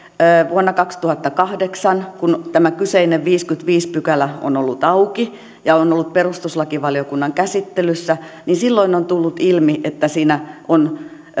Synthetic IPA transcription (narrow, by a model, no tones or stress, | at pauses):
ʋuonːɑkɑkst̪uhɑt̪ːɑkɑhdeksɑnkunt̪æmækyseineʋʋiːskyt̪ʋiːspykælæo̰nolːut̪ɑuki | jɑonolːut̪̚perust̪uslɑkiʋɑlijokunːɑŋkæsit̪ːelysːæninsilːoinont̪ulːut̪ilmiʔet̪ːæsiːnæʔon